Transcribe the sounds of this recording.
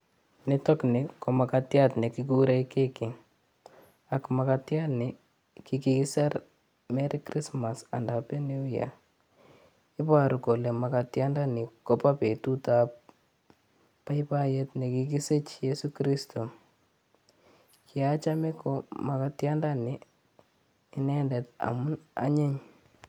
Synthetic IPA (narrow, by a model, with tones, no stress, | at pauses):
netɔ˦kne˨ko˨ma˨katjatne˨kikuɾa˦ke˦ki˨ŋ | a˨kma˨katjanɪ˨ | kikiki˦sa˦ɾ | mɛ˦ɾi˦kri˦smasa̰˨ndape˦ne˦wja̰ | ɪ˦pa˦ɾu˨ko˨le˨makatjanda˦ni˨ko˦pa˦pe˨tutap̚ | a˦jpa˦je˦tne˨kiki˦se˦t͡ʃjesu˦kɾi˦stʰo˨ | kʰiat͡ʃa˦mɛ˦koma˨katja˦nda˦nɪ | ɪ˦nɛndɛta̰˨mʊ˦na̰˦ɲe˦ɲ